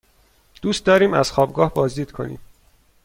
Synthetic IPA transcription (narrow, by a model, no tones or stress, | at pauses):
d̪̥uːst̪̚d̪ɒːɾiːmæ̰z̥xɒːbɡɒːhbɒːzd̪iːd̪kʰo̞̰nḭːm